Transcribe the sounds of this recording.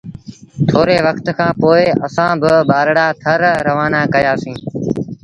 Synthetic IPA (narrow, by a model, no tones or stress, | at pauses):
t̪ʰoːɾeːʋəkt̪kʰãːpoːɪəsãːbɪbaːɾɽaːt̪ʰəɾɾəʋaːnaːkəjaːsĩː